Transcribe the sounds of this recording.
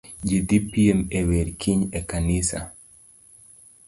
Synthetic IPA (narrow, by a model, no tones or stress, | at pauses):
d͡ʒed̪ipiemeweɾkʰiɲekanɪsa̰